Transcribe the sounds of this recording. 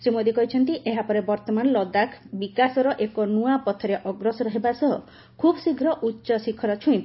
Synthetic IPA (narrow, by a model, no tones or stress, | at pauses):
semod̪ikɔɦit͡ʃʰɔnt̪iʔeɦapɔɾebɔɾt̪ɔmanlɔd̪akʰbikasɔɾɔʔekɔnuapɔt̪ʰɔɾeʔɔɡɾɔsɔɾɔɦebasɔɦɔ | kʰubɔsiɡʱɾɔʔutːʃɔsikʰɔɾɔt͡ʃʰuĩ